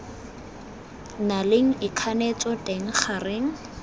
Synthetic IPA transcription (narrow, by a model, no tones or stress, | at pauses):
nalɪŋ̩ɪkʰanet͡sʼɔteŋ̩χarɪŋ̩